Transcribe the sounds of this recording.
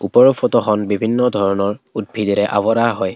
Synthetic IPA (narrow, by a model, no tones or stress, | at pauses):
upɔɹɔfʰotɔxɔnbibʱinːɔdʱɔɹɔnɔɹud̚bʱidiɾɛʔa̰βɔɾaɦɔj